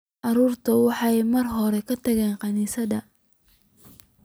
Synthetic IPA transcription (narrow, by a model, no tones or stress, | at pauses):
ʔɑɾuːrt̪ʰɐwɑħɑjmɐrɦɔɾɛkʰɐt̪ʰɐɣɛːnqɑniːsɐðɐ